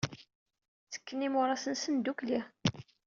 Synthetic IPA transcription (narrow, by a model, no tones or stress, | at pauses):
t͡sə̥kːənːimʊɾˤɑsənsənd̪ukli